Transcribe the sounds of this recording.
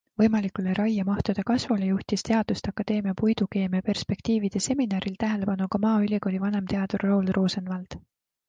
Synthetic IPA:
vɤ̞jmɑlikːˑuleɾʔɑjːɑmɑht̪ud̪̥e̞kɑsvulejuht̪ist̪e̞ɑd̪̥ust̪eɑkˑːɑd̪e̞ːmiɑpujd̪̥uke̞ːmijɑpe̞rspe̞kt̪iːvid̪̥e̞se̞minɑːɾilt̪æɦe̞le̞pɑnukɑmɑːylʲiɡoːlʲivɑne̞mt̪e̞ɑd̪̥urːo̞wlroːsenvɑld̪̥

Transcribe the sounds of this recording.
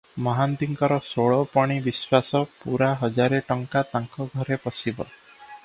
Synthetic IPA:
mɔɦant̪iŋkɔɾɔsoɭɔpɔɽ̃ibiswasɔpuɾaɦɔd͡ʒaɾeʈɔŋkat̪aŋkɔɡʱɔɾepɔsibɔ̰

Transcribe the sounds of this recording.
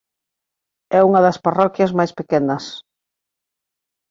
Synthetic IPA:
ɛuŋɐðɐsparɔkjɐzmajspekɛnɐs

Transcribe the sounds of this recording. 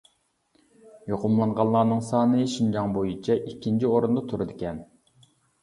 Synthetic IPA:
joqʰʊmlˠɑɴʁɑnˠlˠɑːnɨŋsɑːnɨʃind͡ʒɑŋbojit͡ʃʰɛʔikʲʰːint͡ʃʰioɾund̪ɑt̪ʰuɾɨd̪ɪkʲʰɛn

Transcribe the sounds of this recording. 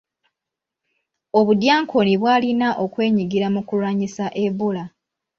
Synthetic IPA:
o̞βudjaːŋkʰo̞niβwaːlinaʔo̞kwe̞ːɲiɡiɾamukulwaːɲisaʔe̞βola

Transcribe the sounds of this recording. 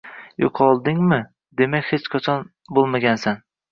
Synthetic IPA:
joqʰɒlˠd̪ɪŋmɪ | d̪e̞makʲhet͡ʃqʰat͡ʃʰɒn | bolˠmaɡʲansan

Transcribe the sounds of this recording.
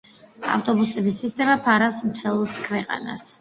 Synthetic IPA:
a̰ft̪ʼɔbusɛbisːist̪ʼɛmapʰaɾafsmt̪ʰɛlˠskʰwɛqʼa̰na̰s

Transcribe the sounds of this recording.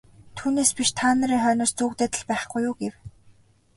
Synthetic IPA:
t̪ʰuːneːspiʃt̪ʰaːnə̆ɾiːŋχœːnɔːst͡suːkt̪eːt̪ə̆ɮpæːχɡujʊːɡew

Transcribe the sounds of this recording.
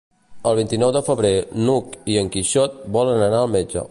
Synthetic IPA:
əlˠβint̪inɔwðəfəβɾenukiəŋkiʃɔt̪̚bɔlənənaəlˠmed͡ʒə̰

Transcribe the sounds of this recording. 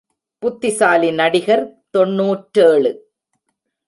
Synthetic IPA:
pʊt̪ːɪsaːlɪnɐɽɪɣɐɾt̪ɔɳːuːʈɾeːɭɯ

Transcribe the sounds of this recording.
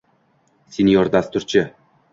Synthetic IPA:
sinjɒɾd̪ast̪ʊɾt͡ʃʰɪ

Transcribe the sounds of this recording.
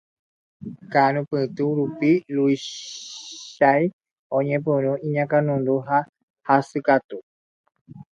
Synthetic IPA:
kaɾ̃ũpɨ̃t̪uɾupilui | ʃaj | õɲẽp̬ɨ̃ɾ̃ũʔĩɲãkanũnd̪uɦa | hasɨkat̪u

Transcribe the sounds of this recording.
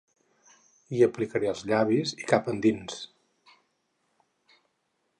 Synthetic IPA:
iəplikəɾeəlˠzʎaβizikapənd̪ins

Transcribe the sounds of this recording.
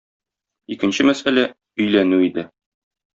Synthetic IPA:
ikɘ̆nɕɘmæsælæ | ɵ̆jlænʉid̪ɘ

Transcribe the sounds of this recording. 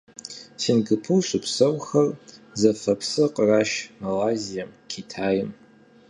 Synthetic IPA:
sinɡɨpʰɨwɕʼʊpsɐwʷxɐrzɐfɐpʰsɨqʼəraːʃmɐlaːzijɐmkʲʰitʰaːjɪm

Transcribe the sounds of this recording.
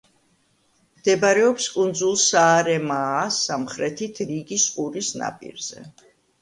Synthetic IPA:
md̪ɛbaɾɛɔpskʼund̪zulˠsaːɾɛmasamχɾɛt̪ʰit̪ʰɾiɡisqʼuɾisna̰pʼḭɾz̥ɛ̰

